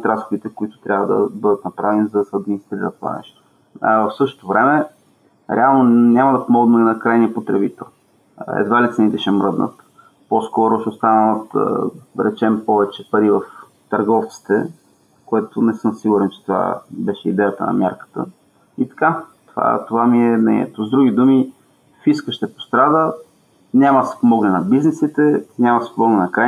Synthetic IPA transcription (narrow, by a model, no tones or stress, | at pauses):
t̪ɾasxod̪it̪ɛkʊit̪ʊ̥t̪ɾʲabvəd̪ɐ̰bɤd̪ət̪nɐpɾavɛnizɐd̪ɐsɛɐd̪minist̪ɾiɾə̰t̪ova̰nɛ̰ʃt̪o̥ | vəfsɤʃt̪o̥t̪ovɾɛmɛ | ɾɛalˠnonʲamɐd̪ɐpomɔɡnəlinɐkɾajniəpot̪ɾɛbit̪ɛ̰lˠ | ɛ̰d̪valit̪sɛnit̪ɛʃɛmɾɤd̪nə̰t̪ | poskɔɾʊʃɛʊst̪anəvət̪ɾɛt͡ʃɛmpɔvɛt͡ʃɛpɐɾivəf | t̪ɐɾɡɔft̪si̥t̪ɛ̰ | koɛt̪ʊnɛsɤmsiɡuɾɛnt͡ʃɛ̥t̪ova̰bɛʃɛḭd̪ɛjət̪ə̰nɐ̰mʲja̰ɾkə̥t̪ə̰ | it̪ɐ̥kat̪ova̰t̪ovamiɛnɛ̰nɛ̰t̪ozd̪ɾuɡʲid̪umi | fiskəʃt̪ɛpo̥st̪ɾad̪ə | nʲaməsɛ̥pomɔɡlɛnɐbiznɛsit̪ɛnʲamɐsɛ̥pomɔɡlɛnɐkɾa